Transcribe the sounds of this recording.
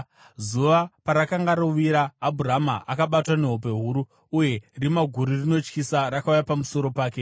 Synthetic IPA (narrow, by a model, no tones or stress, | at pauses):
zuʋapaɾakaŋɡaɾoʋiɾaːbʱurama̰ʔakaɓatwane̞ɦop̬e̞ɦuɾu | uje̞rimaɡʱuɾirino̞t͡ʃkisaɾakaujapamuso̞ɾo̞paːke